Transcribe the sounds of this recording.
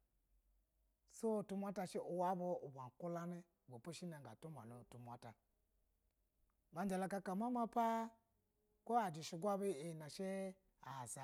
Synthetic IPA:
so˦˨tu˦mʷ˦a˦ta˧ʃe˦ʔu˨wa˦bo˦u˨ba˨ŋ˨ku˦la˦ni˦˨ɡʷo˨po˦ʃi˦na˨ŋɡa̰˨tu˦ma̰˨nu˨tu˨mʷ˨a˨˦ta˨ | ba˨n˦d͡ʒa˨la˧ka˧ka˨ma˦ma˦pa˦ | ko˦a˨d͡ʒi˨ʃi˧ɡʷa˦bi˦i˨na˨ʃe˦ | a˨za˨

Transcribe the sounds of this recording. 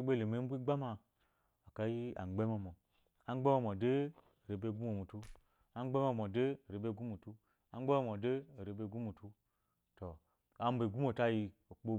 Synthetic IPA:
i˦be˦˨le˨me˨˦m̩˦bʷi˦ɡ͡ba˦ma˧ | a˨ka˨ji˦a̰˨ŋ͡mɡ͡be˦m˦o˨mo˨ | a˦ŋ͡mɡ͡be˦mo˦˨mo˨de˦˨ | ɾe˨be˦˨ɡu˦m˦o˨mu˨tu˦ | a˦ŋ͡mɡ͡be˦mo˦mo˨de˦˨ɾe˨be˦˨ɡu˦mu˨tu˦ | a˦ŋ͡mɡ͡be˦mo˦˨mo˨de˦˨ɾe˨˦be˧˦˨ɡu˦mu˨tu˦ | to˨ | a˨m̩˦be˨ɡu˦m˦o˨ta˦ji˧o˨k͡po˧

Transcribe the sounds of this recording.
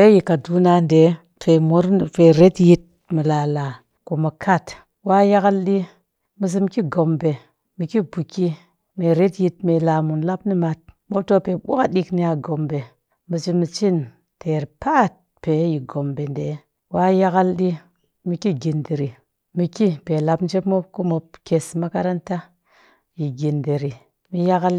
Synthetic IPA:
fe˦ji˨ka˨du˦na˦nde˨˦ | fe˨mu˦ɾfe˨ɾe˦tji˦t̚ | mu˨la˨la˨ | ku˨mu˨kʰa˦˨t | wa˦ja˦ka˦lɗi˦ | mi˨s̬i˦m˦ki˦ɡo˨mbe˨ | mi˨ki˦bu˨ki˦ | me˨ɾe˦tji˨t̚me˨la˨mu˨nla˦pni˦ma˨t̚mo˦to˦pe˨ɓu˦ka˦di˦kni˦a˨ɡo˨mbe˨ | mi˨t͡ʃi˦mi˨t͡ʃi˦n | tʰe˨ɾpa˦˨t̚ | pe˨˦ji˨ɡo˨mbe˨nde˨˦ | wa˦ja˦ɡa˦lɗi˦ | mi˨ki˦ɡi˨ndi˨ɾi˨ | mi˨ki˦pe˨la˨pn˦d͡ʒe˦pmo˦p̚ko˦mo˨pke˨sma˦ka˦ɾa˦nta˦ | ji˨ɡi˨nde˨ɾi˨ | mi˦ja˦ɡa˦l

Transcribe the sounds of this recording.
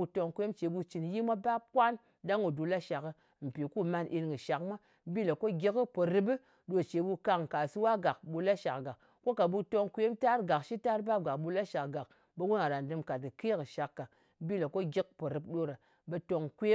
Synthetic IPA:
u˧to˧ŋkʷe˦mt͡ʃe˨˦ɓu˧t͡ʃi˨nji˦mʷa˦ba˦p̚kʷa˦n | da˦ŋu˨du˧la˦ʃa˨kɨ˧ | m̩˨pi˨ku˦ma˧nʔi˧nŋɡɨ˨ʃa˨kmʷa˦ | bi˦la˨ko˦ɡʲi˦kɨ˦po˨ɾɨ˦b̬ɨ˦ | ɗo˧˨t͡ʃe˨˦ɓu˧ka˧ŋ˨ka˨sɨ˦wa˦ɡa˨k̚ɓu˧la˦ʃa˨kɡa˨k | kːo˦ka˨ɓu˧to˧ŋkʷe˦mta˦ɾɡa˨kʃi˦ta˦ɾba˦p̚ɡa˨kɓu˧la˦ʃa˨kɡa˨k | ɓe˧wu˦na˨ɾa˨n˨dɨ˧mka˨t̚ɨ˨ke˦kɨ˨ʃa˨˦kːa˨˦ | bi˦la˨ko˦ɡʲi˦k̚po˨ɾɨ˨p̚ɗo˧ɾa˨ | ɓe˧to˧ŋkʷe˦

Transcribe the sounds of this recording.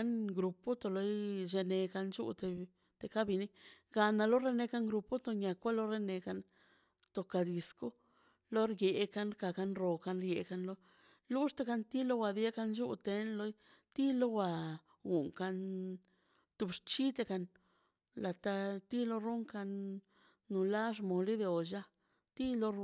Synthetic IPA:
a˧˦nɡɾu˨pu˦t̪o˧lo˧jʒe˧ne˧ka˧nt͡ʃṵ˦t̪e˧ | t̪e˧ka˦bi˧ni˦ɡa˧na˧lo˦ɾe˦˧ne˧ka˧ŋɡɾu˧pu˦t̪o˧ɲa˨kʷa˦lo˦ɾe˦ne˧ka˧n | t̪o˧ka˨d̪i˨˧sku˦ | lo˦ɾje˨˧ka˧nka˨ka˧nɾo˨ka˧nɾje˧ka˧nlo˦ | lu˦ʂt̪e˧˦ka˧nt̪i˦lo˦wa˧d̪i˧˦a˦ka˧nd͡ʒu˦t̪e˧nlo˧j | t̪i˦lo˦wʷa˨ | ɡu˨ŋka˧n | t̪u˧bʂt͡ʃi˦t̪e˧ka˧n | la˨t̪a˧t̪i˦lo˧ɾu˦ŋka˧nː | u˨la˦ʐ̬mo˨li˦d̪e˧o˨d͡ʒa˦ | t̪i˦lo˧

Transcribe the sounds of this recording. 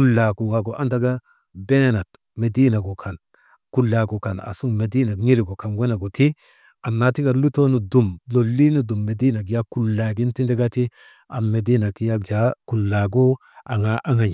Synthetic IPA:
ku˦lːa˨ɡu˨wa˨ɡo˨ʔa˦nda˦ɡa˦ | be˦na˨t̚ | me˨di˦na˨ɡo˨kʰa˨n | ku˨lːa˨ɡo˨ka˨na̰˨su˦ŋme˨di˦na˨ɲi˦li˨ɡo˨ka˨nwe˦na˨ɡo˨ti˦ | a˨nːa˨ti˦ɡa˨ɾlu˦to˦nu˨du˨mlo˨lːi˦nu˦du˨mːe˨di˦na˨ɡ̬i˨ja˦ku˨lːa˨ɡi˦nti˦nde˦ɡa˦ti˦ | a˨me˨di˦na˨ki˦ja˦ɡja˦ku˨lːa˨ɡo˦ | ʔa˨ŋa˨ʔa˦ŋa˨ɲ˨

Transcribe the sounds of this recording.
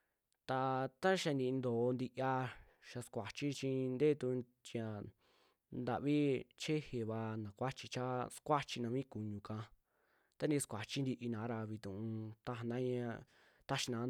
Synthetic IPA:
t̪a˧t̪a˦ʃa˧nd̪ĩ˧nd̪oː˨˧nd̪i˧ʔa˧ | ʃa˧skʷa˨t͡ʃi˦t͡ʃĩ˧nd̪e˦˧t̪u˧ | t͡ʃi˧ã˨ | nd̪a˨ʔβi˦t͡ʃe˦he˨βa˧nã˨kʷa˦t͡ʃi˧t͡ʃa˦skʷa˦t͡ʃi˧nã˧βĩ˦ku˨ɲũ˨kã˧ | t̪a˧˦nd̪ĩ˧skʷa˨t͡ʃi˦nd̪i˧ʔi˧nãː˨˦ɾa˧βi˧t̪ũ˨ũ˧t̪a˧ɦa˧nã˦ɲã˧ | t̪a˦ʃi˧nã˨˦

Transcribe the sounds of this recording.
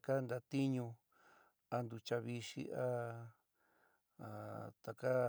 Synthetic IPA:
ka˦nd̪a˧t̪i˦ɲũ˧ | a˧nd̪u˧t͡ʃa˧βi˧ʃḭ˧ʔa˦˨˧ | t̪a˧ka˦

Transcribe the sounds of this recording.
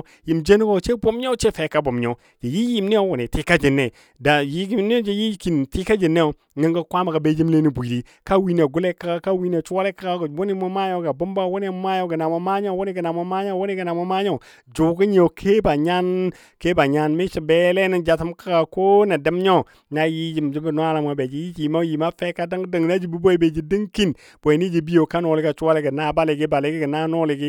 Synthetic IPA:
ji˨md͡ʒe˦ni˦ko˨t͡ʃe˦bo˦mɲo˦t͡ʃe˦fe˨˦ka˦bo˨mɲo˨ | d͡ʒe˨ji˦ji˨mne˦jo˦wu˨ne˨ti˦ka˦d͡ʒe˨nːe˨ | da˨ji˦ɡi˦ne˦o˦d͡ʒe˨ji˦ki˨nti˦ka˦d͡ʒe˨nːe˦jo˨ | ŋa˦ŋɡa˦kʷa˦ma˨ka˨be˦d͡ʒi˦mle˦ni˦bʷi˨di˦ | ka˦wi˦n˨a˨ɡu˦le˦kːa˦ka˦ka˦wi˦n˦a˨t͡ʃu˦wa˦le˦kːa˦ɡa˦˨wu˦ni˦mo˦ma˦jo˦ɡa˨bo˦mba˦˨wo˦ne˦˨m˦ma˦jo˦ɡa˨na˨mo˨ma˦ɲo˦˨wo˦ni˦ɡa˨na˨mo˦ma˦ɲo˦˨wo˦ni˦ɡa˨na˨mo˦ma˦ɲo˦˨ | d͡ʒu˨ɡi˦ɲ˦o˨kʰe˦ba˨ɲa˦n | ke˦ba˨ɲa˦nmi˦ʃi˨be˦le˦ni˦d͡ʒa˨ti˦mka˦ɡa˨ko˦na˨də˦m˦ɲo˦ | na˦ji˦d͡ʒi˨m˨d͡ʒi˦bn˦a˦la˨ma˨be˨d͡ʒi˨ji˦d͡ʒi˨ma˦ji˨ma˦fe˦ka˦da˦ŋ˦də˨ŋ˨na˦d͡ʒi˨bi˦bo˦i˦be˨d͡ʒi˨di˦ŋki˦n | b̥o˨i˨ni˦d͡ʒi˨bi˦jo˨ka˦no˨li˦ɡa˨t͡ʃu˦a˦le˦ɡi˨na˦˨ba˦le˨ɡi˦ba˨le˨˦ɡi˦ɡi˨na˦no˦li˨ɡi˦

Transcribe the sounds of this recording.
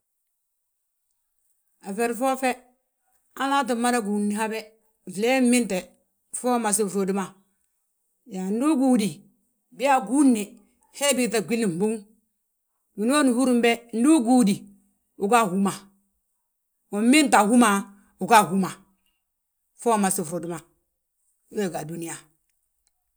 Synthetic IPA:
a˨fɛ˨ɾfɔ˦fɛ˦ | a˦na˦t̬i˨mːa˦ɾa˦ɡu˨nːi˨ha˦bɛ˦˨ | vlɛ˦mɪ˦ntɛ˨ | fɔ˦ma˨s̬i˦˨fo˨di˦ma˨ | ja˨n˦du˦ɡuː˦di˨ | bɪ˦ja˦ɡu˦nːi˨ | hɛ˦bi˦ta˨ɡʷi˦li˨m˨bu˦ŋ | du˨n˦o˦nu˨hu˦ɾu˦mbɛ˦n̩˦du˦ɡu˦di˨ | u˨ɡa˦hu˦ma˨ | u˨˦mi˦nta˨hu˦ma˨ | u˨ɡa˦˨hu˦ma˨ | fo˦˨ma˨si˦˨fɾo˨di˦ma˨˦ | we˦˨ɡa˨du˦ni˨ja˨

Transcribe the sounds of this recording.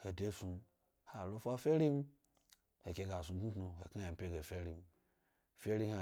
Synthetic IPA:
he˨de˦su˧ | ha˨lo˦fa˦fe˦ɾi˦m˦ | he˨ke˧ɡa˨su˨˧˦tnu˦tnu˧hḛ˨ka˦a˨m̩˨pʲe˦ɡe˨fe˦ɾi˦m | fe˦ɾi˦ha˨

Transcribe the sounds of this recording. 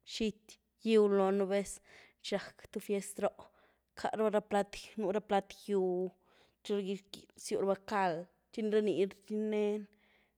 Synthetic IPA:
ʃi˧t̪ | ji˦wlo˨nu˧be˦s | t͡ʃa˨kt̪u˧fje˧st̪ɾo˦ʔ | kʰa̰˧ɾba˦˧ɾa˧pla˧t̪nu˧ɾa˦pla˧t̪ju˧ | t͡ʃo˧ɡi˧sju˧ɾba˧ka˧l | t͡ʃi˦nɾa˦ni˨ɾt͡ʃi˦ne˦n

